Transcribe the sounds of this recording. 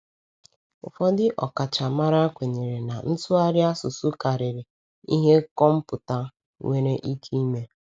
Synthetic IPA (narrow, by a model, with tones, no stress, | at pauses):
ʊ̰˨fɔ˦dɪ˦ʔɔ˨ka˨t͡ʃa˨ma˦ɾa˦kʷe˨ɲe˨ɾe˨na˨n̩˦tʊ˦a˦ɾɪ˦a˦sʊ˨su˦ka˨ɾɪ˨ɾɪ˨ | i˦ɦe˦kɔ˦m̩˦pʊ˨ta˦ | ŋʷe˦ɾe˦ʔi˦kʰi˦me˦